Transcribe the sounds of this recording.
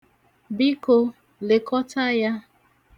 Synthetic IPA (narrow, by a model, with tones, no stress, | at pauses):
bi˦ko˦ | le˨kɔ˦ta˦ja˦